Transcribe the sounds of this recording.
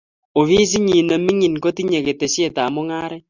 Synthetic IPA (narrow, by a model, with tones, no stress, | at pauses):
o˨βi˦s̬i˦ɲi˨na˨mi˦ŋi˨nko˦ti˦ɲe˨ɣe˨te˨sje˦˨ta˨mo˦ŋaː˦ɾɛ˦